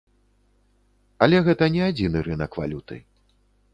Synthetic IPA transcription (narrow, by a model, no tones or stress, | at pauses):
ɐlʲɛɣɛt̪ɐnʲɛad͡zʲinɨɾɨnɐkva̰lʲut̪ɨ̰